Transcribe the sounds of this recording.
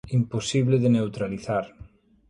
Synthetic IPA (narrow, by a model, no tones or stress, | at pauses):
imposiβleðenewt̪ɾaliθaɾ